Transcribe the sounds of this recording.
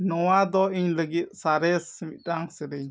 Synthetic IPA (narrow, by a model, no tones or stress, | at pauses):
nɔwad̪ɔiɲləɡit̪̚saɾɛsmit̪̚ɗaŋsəɾəɲ